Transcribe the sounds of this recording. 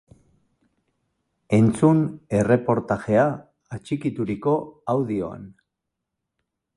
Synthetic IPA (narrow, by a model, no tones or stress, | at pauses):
e̞nt͡sune̞re̞po̞ɾt̪aʝe̞aː | t͡ʃikit̪uɾiko̞awðio̞̰a̰n